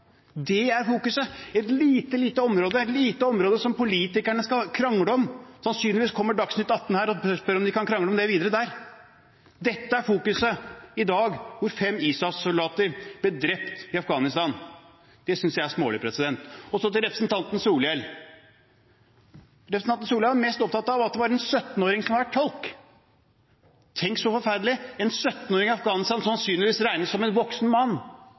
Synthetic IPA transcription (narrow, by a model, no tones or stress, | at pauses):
d̪ɛæɾfuːkʉsəɛt̪liːt̪əliːt̪əɔmɾoːd̪əɛt̪liːt̪əɔmɾoːd̪əsɔmpʊliːt̪ɪkæɳəskɑkʰɾɑŋːɽəɔmsɑnsyːnlɪʋiːskʰɔmːəɖɑksnʉːt̪ɑt̪ːn̩hæːɾɔspœɾɔmd̪ɪkɑnkʰɾɑŋɽəɔmd̪ɛʋiːd̪əɾəd̪æɾ | d̪ɛt̪ːəæɾfuːkʉsəɪd̪ɑːɡʋʊɾfɛmːiːsɑsʊld̪ɑːt̪əɾb̥lɪɖɾɛpt̪ɪɑfɡɑːnɪst̪ɑːn | d̪̥ɛsʏnsjæɪæsmoːlɪpʰɾɛsɪd̪ɛnt̪ɔsɔt̪ɪlɾɛpɾə̥sn̩t̪ʰɑnt̪n̩suːlɛl | ɾɛpɾəsnɑn̩suːlɛʋɑɾmɛst̪ɔpt̪ʰɑt̪ːɑʋɑt̪̚d̪ɛʋɑɾɛnsœt̪ːn̩oːɾɪŋsɔmɑʋæʈʰːɔlk | t̪ʰɛŋksɔfɔɾfæɾd̪lɪɛnsœt̪ːn̩oːɾɪŋɪɑfɡɑːnɪst̪ɑnsɑnsyːnlɪʋiːsɾæɪnəsɔmɛnʋɔksnmɑnː